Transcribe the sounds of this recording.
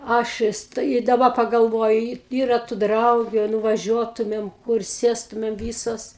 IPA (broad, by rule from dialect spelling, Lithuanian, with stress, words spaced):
ˈɐʃ ʋʲɪs tɐɪ ɪ dɐˈbɐ pɐɡɐlˠˈʋoːjʊ iː ˈiːrɐ tʊ ˈdrɐʊɡʲʊ ɐ nʊʋɐˈʒʲuɔtʊmʲeːm kʊr ˈsʲeːstʊmʲeːm ˈʋʲiːsoːs